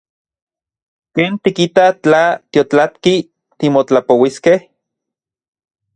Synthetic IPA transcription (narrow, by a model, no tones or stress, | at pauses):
keːnt̪ikit̪at͡ɬat̪jot͡ɬat̪ki | t̪imot͡ɬapowiskeh